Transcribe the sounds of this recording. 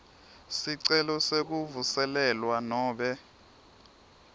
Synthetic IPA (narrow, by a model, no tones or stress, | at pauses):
siǀɛlɔsek̬uvusɛlɛlwanɔːɓɛ